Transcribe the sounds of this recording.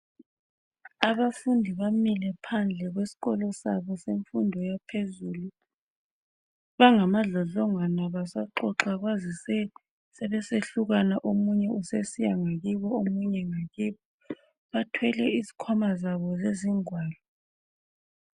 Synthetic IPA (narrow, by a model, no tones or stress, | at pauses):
aβafundʱiβamilɛpʰand͡ɮʱɛɣwesi̥ɣɔlɔsaβɔseɱfundʱɔjapʰezuːlu | βaŋamaɮɔɮɔŋwanaβasaǃɔǁaɣwazisɛ | sɛβɛseɬuɣanaʔomuɲɛusesijaŋaɣiβɔomuɲɛŋaɣiβɔ | βatʰwɛlɛizi̥kʰɔmazaβɔzeziŋwaːlɔ